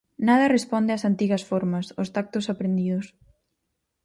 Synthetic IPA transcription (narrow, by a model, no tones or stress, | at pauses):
naðɐrespɔnd̪ɪɐsant̪iɣɐsfɔɾmɐsʊst̪ak̚t̪ʊsapɾend̪iðʊs